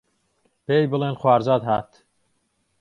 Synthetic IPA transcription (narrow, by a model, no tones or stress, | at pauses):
b̥ejbɨlˠenxwaːɾzaːd̪ɦaːt̪